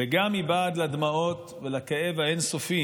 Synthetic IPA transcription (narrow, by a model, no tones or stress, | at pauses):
eɡamːibaːd̪lad̪maot̪ | velakee̞vaensofi